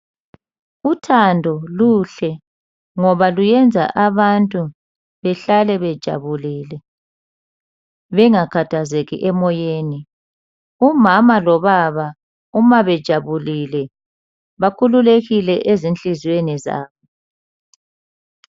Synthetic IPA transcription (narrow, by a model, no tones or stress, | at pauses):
utʰandʱɔluɬɛ | ŋɔβalujɛnd͡zʱa̰ʔaβantʼu | βɛɬalɛβɛd̥ʒ̥ʱa̰βuliːlɛ | βɛŋakʰatʰazeɣḭʔɛmɔjeːni | umamalɔβaβa | umaβɛd̥ʒ̥ʱaβulilɛ | βakʰululeɣilɛʔezint͡ɬʼizweniza̰ːβɔ